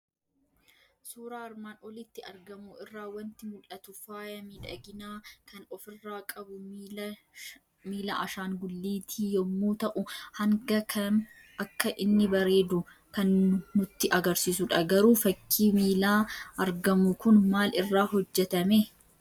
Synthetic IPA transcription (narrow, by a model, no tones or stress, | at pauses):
suːɾaːɐɾmaːnɔlɪt̪ːɪɐɾɡɐmʊɪrːaːwɐnt̪ɪmʊlɐt̪ʊfaːjɐmɪᶑɐ̰ɡɪnaːkʰɐnɔfɪrːaːkʼɐbʊ | miːlɐʔɐʃaːŋɡʊlːiːt̪ʰiːjɔmːuːt̪ɐʔʊhɐŋɡɐkʰɐn | ɐkːɐʔɪnːɪbɐɾe̞ːd̪ʊ | kɐnːʊt̪ːɪʔɐɡɐɾsiːsʊᶑɐɡɐɾuːfɐkʰːiːmiːlaːɐɾɡɐmʊkʊnmaːlɪrːaːɦɔd͡ʒːɛt̪ɐmɛ